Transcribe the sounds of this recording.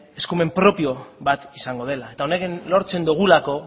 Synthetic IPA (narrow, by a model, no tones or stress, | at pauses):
e̞skume̞mpɾo̞pio̞βat̪isaŋɡo̞ð̞e̞lae̞t̪ao̞nekenlo̞ɾt͡se̞nd̪uɣulako̞